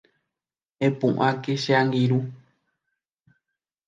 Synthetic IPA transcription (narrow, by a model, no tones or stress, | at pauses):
ẽpũʔãkeʃeãŋɡiɾu